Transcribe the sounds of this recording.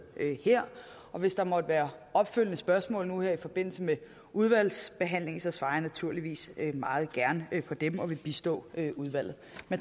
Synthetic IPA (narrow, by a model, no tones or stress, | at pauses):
heɐ̰ | ɒ̽ʋe̝sd̥ɑ̈mɒ̽d̥əʋæːɐɒ̽b̥føl̰ənəsb̥ɶɐsmɔ̰̽ːlnuheɐifɒ̽b̥e̝n̰l̩səme | uð̞ˠʋæl̰sb̥e̝ɦæn̰le̝ŋsɒ̽sʋɑ̈ːjnæt͡sʰuɐ̰liʋḭːsømɑ̈ːð̞̩ˠɡ̥æɐnpʰɒ̽d̥emɒ̽ʋe̝b̥isd̥ɔ̰̽ːøuð̞ˠʋæl̰ð̩ˠmen